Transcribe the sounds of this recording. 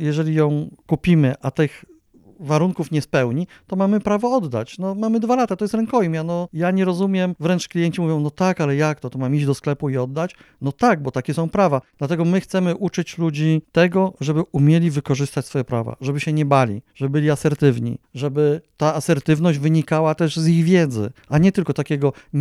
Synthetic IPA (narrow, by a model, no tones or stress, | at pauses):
jɛʐɛlʲijɔ̃w̃kupʲimɘʔat̪ɘx | vaɾuŋkufɲɛspɛwɲi | t̪ɔmamɘpɾavɔɔd̪ːa̰t͡ɕnɔmamɘd̪valat̪at̪ɔjɛst̪ɾɛŋkɔjimjanɔjaɲɛɾɔzumʲjɛmvɾɛnt͡ʂklʲijɛɲt͡ɕimuvʲjɔ̃w̃nɔt̪akalɛjak̚t̪ɔt̪ɔmamiʑd͡ʑd̪ɔsklɛpuiɔd̪ːat͡ɕ | nɔt̪aɡ̚bɔt̪akʲɛsɔ̃w̃pɾavad̪̥lat̪ɛɡɔmɘxt̪sɛmɘʔut͡ʂɘt͡ɕlud͡ʑit̪ɛɡɔʐɛbɘumʲjɛlʲivɘkɔʐɘst̪at͡ɕsfɔjɛpɾava̰ʐɛbɘɕɛɲɛbalʲḭʐɛbbɘlʲiasɛɾt̪ɘvɲḭʐɛbɘt̪aːsɛɾt̪ɘvnɔʑd͡ʑvɘɲikawat̪ɛʐziɣvʲjɛd̪zɘ̰aɲɛt̪ɘlkɔt̪akʲɛɡɔ